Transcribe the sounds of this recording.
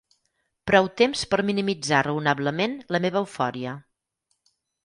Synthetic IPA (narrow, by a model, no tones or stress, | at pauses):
pɾɔwt̪emspəɾminimid͡zarəunaβləmenləmeβəːwfɔɾiə